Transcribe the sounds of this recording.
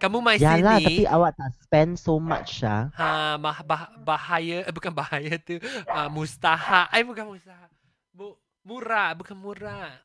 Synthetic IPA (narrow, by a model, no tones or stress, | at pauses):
kamumajjalaht̪apiʔawaʔt̪aspɛ̃nsoma̰t͡ʃlaãabaɦabahajəbukanbahajət̪uamust̪ahaʔajbukanmust̪aɦa | bu | muɾaʔbukanmuɾaʔʔ